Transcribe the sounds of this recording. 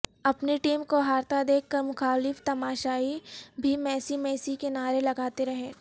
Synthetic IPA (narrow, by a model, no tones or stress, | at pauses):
ɐpniʈiːmkoɦaːɾt̪ad̪eːkʰːəɾmʊxaːlɪft̪ɐmaːʃaːibʱimɛːsimɛːsikenaːɾelɐɡaːt̪eɾɐɦẽː